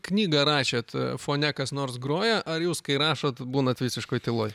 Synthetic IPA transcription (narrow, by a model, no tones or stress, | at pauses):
knʲiːɡɐɾɑːʃʲeːt̪foːnʲɛkɐsnoːrsɡɾoːjɛʔɐɾjuːskɐɪɾɑːʃot̪buːnɐt̪ʋʲiːsʲɪʃkoːɪt̪ʲɪlˠoːj